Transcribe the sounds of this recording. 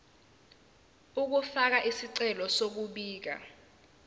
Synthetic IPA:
uk̬ufak̬aʔisiǀɛlɔsok̬uɓiːk̬a̰

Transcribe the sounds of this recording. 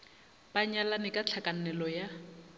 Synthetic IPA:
baɲalanɪkʼat͡ɬʰakʼanɛlɔja

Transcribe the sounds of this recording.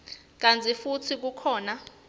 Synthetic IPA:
k̬ant͡sʰʼifut͡sʰik̬ukʰɔːna

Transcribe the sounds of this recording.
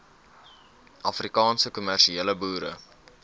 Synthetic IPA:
ʔɐfrikɑːnsəkumærʃieːləbuːɾə̰

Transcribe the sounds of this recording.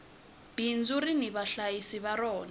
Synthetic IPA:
b̥ind͡zuɾiniβaɬajisiβaɾɔːna

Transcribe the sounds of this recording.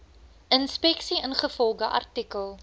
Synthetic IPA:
ʔənspɛksiənχəfɔlˠɡəʔɐ̰rtikəlˠ

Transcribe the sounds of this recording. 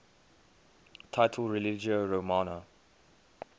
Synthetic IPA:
tʰaɪtʰəlɹilid͡ʒəɹomanə

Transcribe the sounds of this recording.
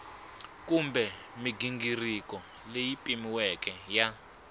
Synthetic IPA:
kumbɛ | miɡiŋɡirikɔ | lejipʼimiwɛkɛja

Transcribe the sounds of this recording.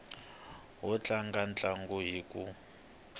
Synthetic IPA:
wɔt͡ɬaŋɡant͡ɬʼaŋɡuɦiːkʼu

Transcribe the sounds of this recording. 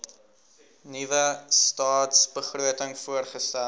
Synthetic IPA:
nivəstɑːtsbəχruətəŋfuərχəstæ

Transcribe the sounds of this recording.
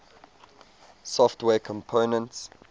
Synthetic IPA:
sɔftwɛːkʰɔ̃mpʰonə̃nts

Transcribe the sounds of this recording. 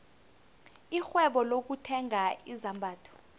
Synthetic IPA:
ixwɛɓɔlok̬utʰɛŋaizambʱaːtʰɔ̥

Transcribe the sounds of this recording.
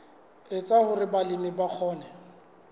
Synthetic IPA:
ɪt͡sʼahʊrɪbalɪmɪbak͡xʰɔːnɛ

